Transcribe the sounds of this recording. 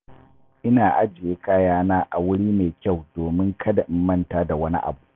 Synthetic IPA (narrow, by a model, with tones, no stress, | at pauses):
ʔɪ˦naː˨ʔa˦d͡ʒɪ˨jeː˦kaː˦jaː˦naː˦ʔa̰˨wʊ˦ɽiː˦meː˨kʲa˦˨wdoː˨mɪ˦ŋkʰɐ˦da˨ʔɪ˨mːɐ˦ntaː˦da˨wɐ˦nḭ˦ʔa̰˨buː˦ʔʔ